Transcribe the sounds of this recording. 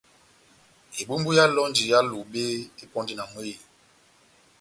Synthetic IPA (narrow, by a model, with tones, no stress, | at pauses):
e˨bu˦mbu˦ja˦lɔ˦nd͡ʒi˨ja˦lu˨be˦e˦pɔ˦ndi˦na˨m˦e˦i˨